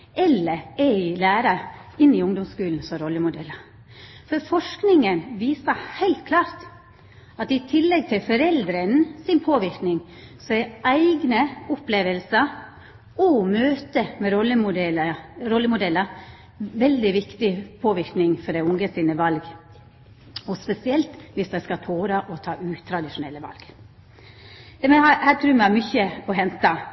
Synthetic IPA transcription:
ʔɛlːəɾɛɪlæːɾɑɪnːɪʊŋd̪ɔmskʉːln̩sɔɾɔlːəmʊd̪ɛlːə | fɔɾfɔʂknɪŋənʋiːsəhæɪlt̪̚kʰlɑːɾt̪ | ɑt̪ɪt̪ʰɪlːɛɡ̚t̪ʰɪlfɔɾɛld̪ɾənsɪnpʰoːʋɪɾknɪŋ | sɔæɪæɪɡnəʊpleːʋəlsə | ɔmøːt̪əmɛɾɔlːəmʊɛlɾɔlːəmʊd̪ɛlːə | ʋɛld̪ɪʋɪkt̪ɪpʰoːʋɪɾknɪŋfɔɖ̪æɪʊŋɡəsiːnəʋɑlɡ | ɔspɛsɪɛlt̪ʋɪsd̪æɪskɑt̪ʰoːɾɑʔɔt̪ʰɑːʔʉːt̪ʰːɾɑd̪ɪʂʊnɛlːəʋɑ̰lɡ̥ | d̪ɛmɛhɑhæːt̪ʰɾʉːɾmɛhɑɾmʏçəɔɦɛnt̪ɑ

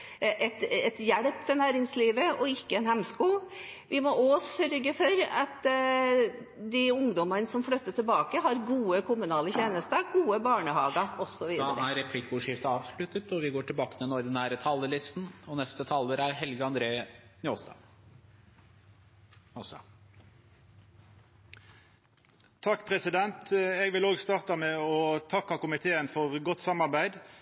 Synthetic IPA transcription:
ʔɛt̪ɛt̪jæɽpt̪ʰɪnæːɾɪŋsliːʋəɔɪkːəɛnhɛmskuːʋɪmɔʔosœɾɡəfɔɾɑt̪ | d̪ɪʊŋd̪ɔmənəsɔmfɽœt̪ːəʈ̪ʰɪlbɑːkəɦɑɾɡuːəkʰʊmʉnɑːləçeːnəst̪əɡuːəbɑːɳəhɑːɡɑɔsːɔʋiːd̪d̪̰ɾəæɾɛpʰlɪkːʊʂɪft̪əɑːʋʂɭʉt̪ːət̪ɔʋɪɡoːʈʰɪlbɑːkə̥t̪ʰɪlnɔɾd̪ɪnæːɾət̪ʰɑlːəlɪst̪n̩ɔnɛst̪ət̪ʰɑlːəɾæɾɦɛlɡəɑnd̪ɾeːnɪost̪ɑ̰ː | ɔsɑ̰ | t̪ʰɑkːpʰɾɛsɪd̪ɛnt̪ɛɡʋɪloːɡst̪ɑːʁt̪ɑmɛɔt̪ʰɑkːɑkʊmɪt̪ʰeːənfɔʁɡɔt̪ːsɑmɑʁbæɪd̪

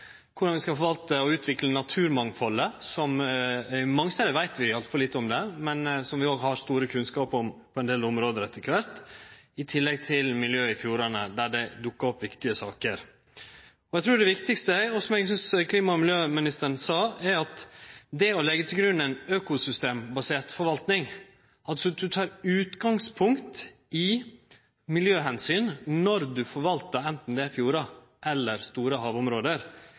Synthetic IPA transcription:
kʰʊɖɑnʋɪskɑfɔʋɑlt̪əɔʉːt̪ʰʋɪklənɑt̪ʰʉːɾmɑŋfɔlːəsɔm | mɑŋst̪ɛːləɾʋæɪt̪ʋɪɑlt̪fɔɾliːt̪ːəɔmd̪ɛmɛnsɔmʋɪoːɡɦɑɾst̪uːɾəkʰʉnskɑːpɔmpʰɔɛnd̪eːlɔmɾoːd̪əɾɛt̪ːəkʰʋæɾt̪ɪt̪ʰɪlːɛɡ̚t̪ʰɪlmɪljøːɪfjuːɾɑnəd̪æɖæd̪ʊkːɑɾɔpːʋɪkt̪ɪəsɑːkəɾ | ɔɛɡt̪ʰɾuːɖɛʋɪkt̪ɪkst̪əɔsɔmɛɡs̬ʏnskʰliːmɑmɪljøːmɪnɪst̪əɾɳsɑːæɾɑt̪d̪ɛɔlɛɡːət̪ʰɪlɡɾʉnːɛɪnøːkʊsʏst̪eːmbɑseːt̪fɔɾʋɑlt̪nɪŋ | ɑlsɔd̪ʉt̪ʰɑːɾʉːt̪ɡɑŋspʰʊŋkt̪ | ɪ | mɪljøːɦɛnsyːnnɔɾd̪ʉfɔɾʋɑlt̪əɾɛnt̪n̩d̪ɛæɾfjuːɾɑ | ʔɛlːəɾst̪uːɾəɦɑːʋʊmɾoːd̪əɾ

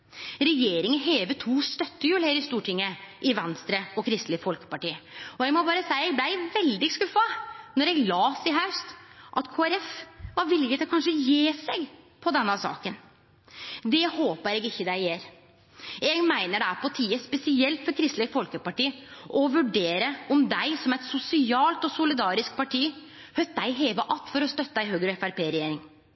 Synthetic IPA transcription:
ɾɛjeːɾɪŋənɦeːʋət̪ʰuːst̪œt̪ːəjʉːlheːɾɪst̪uːʈʰɪŋːəʔɪʋɛnst̪ɾəɔkʰɾɪst̪lɪfɔlkə̥pɑʈiːɔɛɡmɔbɑːɾəsæɪəɛɡblæɪʋɛld̪ɪskʉfːɑnɔɾɛɡlɑːsɪɦɑʉst̪ʔɑt̪kʰoːæɾɛfʋɑɾʋɪlɪɡət̪ʰɪɔkʰɑnʂəjeːsɛɡ | pʰɔd̪ɛnːəsɑ̰ːkən | d̪ɛhoːpəɾɛɡɪçːəd̪æɪjeːɾ | ɛɡmæɪnəɖɛæɾpʰɔt̪ʰiːəspɛsɪɛlt̪fɔɾkʰɾɪst̪ləfɔlkəpɑʈiːʔɔʋʉɖeːɾəʔɔmd̪æɪsɔmɛɪt̪sʊsɪɑːlt̪ɔsʊlɪd̪ɑːɾɪsk̚pɑʈʰiː | hœt̪̚d̪æɪɦeːʋəʔɑlt̪ːfɔɾɔst̪œt̪ːæɪhøːɡɾɛfæɾpʰeːɾɛjeːɾɪŋ

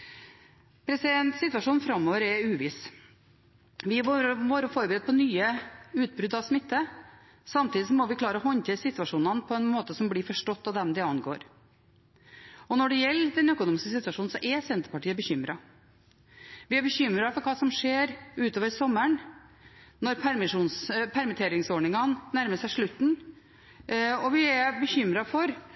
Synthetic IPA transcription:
pʰɾɛsɪd̪ɛnt̪sɪt̪ʋɑʂuːnfɾɑmːoːʋəɾɛʉːʋɪs | ʋɪʋoːɾəfɔɾbəɾɛd̪̚pʰɔnyːəʉːt̪̚bɾʉd̪ɑʋsmɪt̪ːə | sɑmt̪iːd̪ɪsɔmɔʋɪkʰlɑːɾəɔɦɔɲt̪ʰeːsɪt̪ʋɑʂuːnɑnpʰɔɛnmoːt̪əsɔmblɪːfɔʂʈɔt̪ːɑʋd̪ɛmd̪ɛɑnɡo̰ːɾ | ɔnɔɖɛjɛlːd̪ɛnœkʊnuːmɪskəsɪt̪ʋɑʂuːn̩sɔʔɛsɛnt̪ə̥ɾpɑʈiːəbəçʏmɾɑ | ʋɪæɾbəçʏmɾɑfɔɾkʰɑːsɔmʂeːɾʉːt̪oːʋəɾsɔmːəɳ | nɔɾpʰæɾmɪʂuːnspʰæɾmɪt̪ʰeːɾɪŋsɔɳɪŋɑnnæɾməsæɪʂɭʉt̪ːn̩ | ɔʋɪɛbəçʏmɾɑfɔɾ

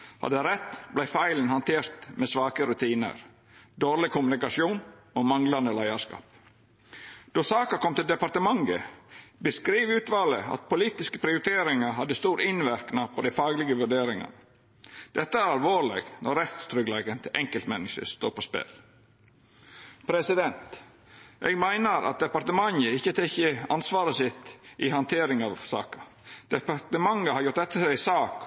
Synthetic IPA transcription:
hɑ̰d̪əɾɛt̪ːblæɪfæɪlən̩hɑnt̪ʰeːɾt̪mɛsʋɑːkəɾʉt̪ʰiːnə̰ɾ | d̪oːɾɭɪkʊmʉnɪkɑsjuːnoːmɑŋlɑnd̪əlæɪɑskɑ̰ːp̚ | d̪̥osɑːkɑkʰɔmt̪ɪld̪ɛpɑɾt̪əmɑŋɡəbəskɾiːʋʉːt̪ʋɑːləɑ̰t̪̚pʰʊliːt̪ɪskəpʰɾɪʊɾɪt̪ʰeːɾɪŋɑɦɑd̪ːəst̪uːɾɪnʋæɾknɑpʰɔd̪æɪfɑːɡlɪɡəʋʉɖeːɾɪŋɑ̰n | d̪̥ɛt̪ːəæɾɑlʋoːɭɛɡnɔɾːɛt̪st̪ʰɾʏɡleːɡənt̪ʰɪʔɛŋkəlt̪mɛnːɪʃə̰st̪o̰ːpʰɔspḛːl | pʰɾɛsɪd̪ɛnt̪ | ʔɛ̰ɡmæɪnəɾʔɑ̰t̪̚d̪ɛpɑɾt̪əmɑŋəɪçːət̪ʰɛçəɑnsʋɑːɾəsɪt̪ʔɪhɑnt̪ʰeːɾɪŋɑʋsɑ̰ːkə | d̪̥ɛpɑt̪əmɑŋːəhɑɾjʊɾʈ̪d̪ɛt̪ːəsæɪsɑːk

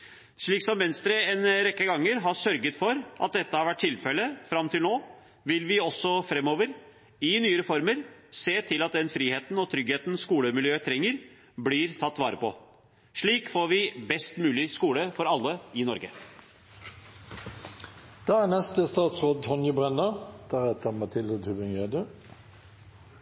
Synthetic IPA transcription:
ʂɭiːksɔmʋɛnst̪ɾəɛnɾɛkːəɡɑŋːəɾɦɑʂœɾɡət̪fɔɾʔɑt̪̚d̪ɛt̪ːəhɑɾʋæʈ̚ʰːɪlfɛləfɾɑmt̪ɪlnoː | ʋɪlʋɪɔsːɔfɾɛmːoːʋəɾ | ɪnyːəɾɛfɔɾməɾseːt̪ʰɪlɑt̪̚d̪ɛnfɾiːheːt̪n̩ɔt̪ʰɾʏɡheːt̪n̩skuːləmɪljøːət̪ʰɾɛŋːəɾ | blɪɾt̪ʰɑt̪ːʋɑ̰ːɾəpɔ | ʂɭiːkfoːɾʋɪbɛst̪mʉːlɪskuːləfɔɾɑlːəɪnɔɾɡə | d̪̥ɑːænɛst̪əst̪ɑːt̪sʁoːd̪̚ʰɔnjəbʁɛnːəd̪̥æʁɛt̪əmɑt̪ʰɪld̪ət̪ʰʉbɪŋeːd̪ə

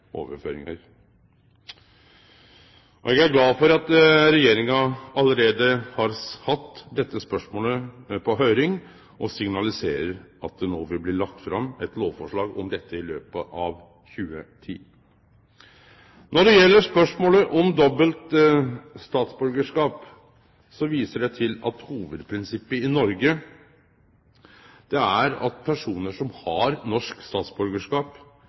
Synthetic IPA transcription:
o̰ːʋəfø̰ːɾɪ̰ŋə̰ɾ | ɔɛɡæɾɡlɑːfɔɾɑt̪ɾɛjeːɾɪŋɑɑləɾeːd̪əhɑɾhɑt̪ːd̪ɛt̪ːəspœʂmoːləpʰɔɦœʏɾɪŋ | ʔɔsɪŋnɑlɪseːɾəɾɑt̪̚d̪ɛnoːʋɪlblɪːɭɑk̚t̪fɾɑmːɛt̪loːʋfɔʂɭɑːɡɔmd̪ɛt̪ːəɪløːpəʔɑʋ | çʉːət̪ʰḭː | nɔɖɛjɛlːəʂpœʂmoːləʔɔmd̪ɔbəlt̪ | st̪ɑːt̪sbʉɾɡəʂkɑːp | sɔʋiːsəɖɛt̪ʰɪlɑt̪huːʋəd̪pʰɾɪnsɪpːəɪnɔɾɡə | d̪̥ɛæɾɑ̰t̪̚pʰæʂuːnəʂɔmhɑɾnɔʂkst̪ɑːt̪sbʉɾɡəʂkɑːp

